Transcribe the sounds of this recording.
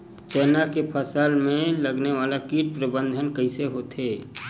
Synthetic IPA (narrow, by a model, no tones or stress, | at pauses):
t͡ʃɛːnakepʰəsəlmẽləɡneʋaːlakiːʈ̚pɾəbə̃nd̪ʱənkəɪ̃seɦot̪eː